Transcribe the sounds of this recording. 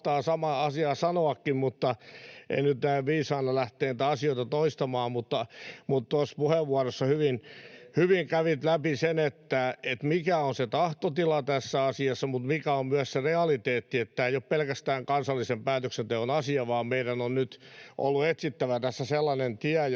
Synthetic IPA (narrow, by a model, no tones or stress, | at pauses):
t̪ɑːsɑmɑɑsiɑːsɑnoɑkːimmut̪ːɑḛinyt̪næiʋʋiːsɑːnːɑlæht̪eːnit̪æɑsioit̪ɑt̪oist̪ɑmɑːmmut̪ːɑmut̪t̪ospuheʋːuɑrosːɑhyʋinhyʋiŋkæʋit̪læpisenet̪ːæet̪mikæonset̪ɑht̪ot̪ilɑt̪æsːæɑsiɑsːɑmut̪mikæommyæssereɑlit̪eːt̪ːiet̪ːæeijoppelkæst̪æːŋkɑnsɑlːisempæːt̪øksent̪eonɑsiɑʋɑːmmeiɾænonnyt̪ʔo̰lːuet̪sit̪ːæʋæt̪æsːæselːɑnent̪iæ